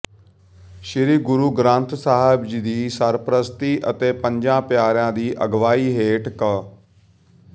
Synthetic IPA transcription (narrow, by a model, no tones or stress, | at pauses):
ʃɪɾiːɡʊɾuːɡɾãːnt̪saːɦɪbd͡ʒid̪iːsəɾpɾəst̪iːʔət̪eːpə̃ɲd͡ʒãːpjaːɾjãːd̪iːʔəɡʋaːiːɦeːʈkə